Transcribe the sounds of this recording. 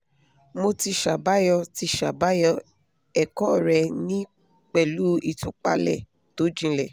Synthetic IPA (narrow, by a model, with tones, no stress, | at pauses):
mo˧ti˧ʃa˨ba˦jɔ˧ti˧ʃa˨ba˨˦jɔ˧ | ɛ˨kɔ˦˨ɾɛ˧nĩ˦ | k͡pɛ˨lu˦i˨tu˨˦k͡pa̰˧lɛ̰˦˨ | to˨˦d͡ʒĩ˧lɛ˨